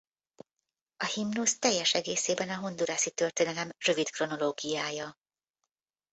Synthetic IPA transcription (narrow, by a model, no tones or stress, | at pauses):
ɒhimnust̪ɛjːɛʃɛɡeːseːbɛnɒɦo̞nd̪uɾaːsit̪ø̞rt̪eːnɛlɛmrø̞vit̪kro̞no̞loːɡijaːjɒ